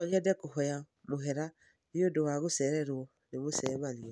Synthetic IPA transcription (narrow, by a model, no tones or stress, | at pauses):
ɔɲɛdɛkoɦɔja | moɦɛɾa | ɾiodowaɣosɛɾɛɾwɔ | neβosɛβaliɔ